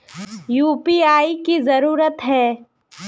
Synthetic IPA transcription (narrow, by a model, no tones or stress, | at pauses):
juːpiaːikizɐɾuːɾət̪ɦɛː